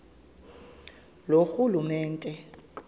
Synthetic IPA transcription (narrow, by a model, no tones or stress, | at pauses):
loxulumɛːntʼɛ